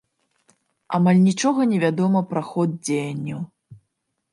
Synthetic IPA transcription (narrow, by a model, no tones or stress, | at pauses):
a̰malʲnʲit͡ʂɔɣɐnʲɛvʲad̪ɔmɐpɾaxɔd̪̚d͡zʲejɐnʲːɐw